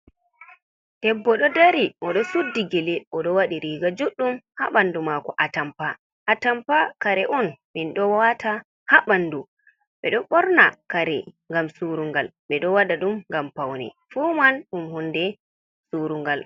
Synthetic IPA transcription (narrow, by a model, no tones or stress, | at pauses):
d̥ɛbːɔɗɔdaɾiʔɔɗɔsudːiɡɛlɛʔɔɗɔwaɗiɾiːɡad͡ʒuɗːumhaɓandumakɔʔatampa | ʔatampakaɾɛʔɔnminɗɔwata | haɓandu | ɓɛɗɔɓɔɾnakaɾɛŋɡamsuɾuŋɡalɓɛɗɔwadaɗumŋɡampawnɛ̰ | fumanɗumhundɛ | suɾuŋɡal